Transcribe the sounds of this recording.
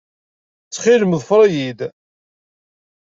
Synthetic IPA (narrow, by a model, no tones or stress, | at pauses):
t͡sːχiləmðˤfɾˤɑjid̪